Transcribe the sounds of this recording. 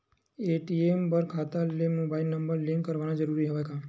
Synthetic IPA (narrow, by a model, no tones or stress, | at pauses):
eʈiembəɾkʰat̪alemobainəmbəɾlĩŋkkəɾʋanãd͡ʒəɾuɾiɦəʋakʰã